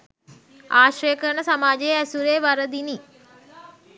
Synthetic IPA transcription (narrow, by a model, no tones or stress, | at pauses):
aːɕrəjəkəɾɳəsamaːd͡ʒejəæsuɾeːʋaɾəd̪ini